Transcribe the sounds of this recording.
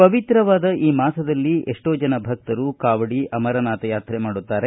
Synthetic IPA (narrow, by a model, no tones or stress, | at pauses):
pɐʋit̪ɾɐʋaːd̪ɐʔiːmaːsɐd̪ɐlːiʔeʂʈoːd͡ʒɐnɐbʱɐk̚t̪ɐɾukaːʋɐɽiɐmɐɾɐnaːt̪ɐjaːt̪ɾemaːɽut̪ːaːɾe